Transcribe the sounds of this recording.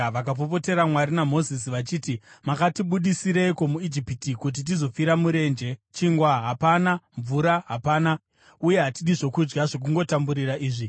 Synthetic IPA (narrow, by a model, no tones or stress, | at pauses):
ʋakapop̬o̞te̞ɾamwarinamo̞zis̬iʋat͡ʃiːtimakatiɓuɗisiɾeko̞muid͡ʒipitikut̬it̬izo̞fiɾamuɾe̞nd͡ʒe̞t͡ʃiŋɡwaɦapanaɱvuɾaɦapaːna | uje̞ɦatiɗiʐo̞kud͡ʒɡaʐo̞k̬uŋɡo̞tambuɾiraʔiːʐi